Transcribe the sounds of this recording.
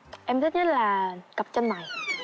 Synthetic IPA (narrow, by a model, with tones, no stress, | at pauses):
ʔɛ˧mt̪ʰi˦˥t̚ɲə˦˥t̚laː˨˩kə˨˩p̚t͡ɕə˧nma˨˩j